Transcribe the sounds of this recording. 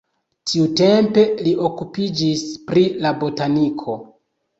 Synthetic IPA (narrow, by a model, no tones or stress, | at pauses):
tʰiute̞mpe̞liʔo̞kupid͡ʒispɾilabo̞tanikʰo̞